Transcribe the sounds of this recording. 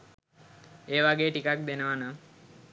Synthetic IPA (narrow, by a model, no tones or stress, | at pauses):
eːʋaɡeːʈikak̚d̪enəʋana